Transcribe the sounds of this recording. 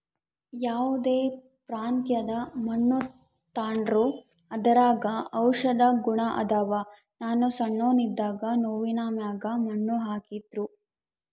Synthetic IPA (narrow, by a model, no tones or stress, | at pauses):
jaːʋud̪eː | pɾaːnt̪jɐd̪ɐmɐɳːu | t̪aːɳɾu | ɐd̪ɐɾaːɡɐɐwʂɐd̪ɐɡuɳɐʔɐ̰d̪aːʋɐ | naːnusɐɳːoːnid̪ːaːɡɐnoːʋinaːmjaːɡɐmɐɳːuɦaːkid̪ɾu